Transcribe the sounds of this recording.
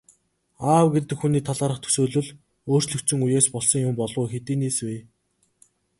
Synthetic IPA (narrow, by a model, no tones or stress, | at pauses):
aːwɡet̪ɘ̆kxuniːt̪ʰaɮaːɾə̆χt̪ʰɵ̥soːɮɵ̆ɮ | oːr̥t͡ɕɮɵ̆kt͡sɵ̆ŋujeːspɔɮsɞ̆ŋjʊmpɔɮʁʊːxet̪iːneːsweː